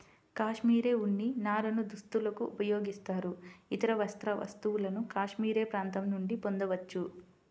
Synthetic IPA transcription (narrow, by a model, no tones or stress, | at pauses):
kaːʂmiːɾe̞ːuɳːinaːɾɐnud̪ust̪ulɐkuːpɐjoːɡist̪aːɾuit̪ɐɾɐʋɐst̪ɾɐʋɐ̰st̪uʋulɐnukaːʂmiːɾe̞ːpɾaːnt̪ɐmnuɳɖipo̞nd̪ɐʋɐt͡ʃːu